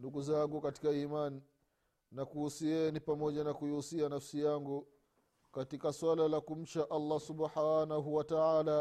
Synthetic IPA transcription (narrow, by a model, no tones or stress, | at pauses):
nduɡuzaŋɡukati̥kaiːmani | nakuusiɛnipamɔʄanakuiusianafsijaŋɡu | katikaswalalakum̩t͡ʃaʔalˤːasubħanaɦuwataaːla